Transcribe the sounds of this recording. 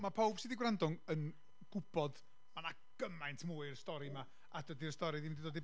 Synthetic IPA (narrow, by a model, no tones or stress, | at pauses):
mapʰowb̥sidiɡwrandʊŋən | ɡ̥ʊb̥ɔd̥ | mana | ɡ̥əmajntʰmuːɨrstɔɾima | adədiəstɔɾɨðimndidoːdi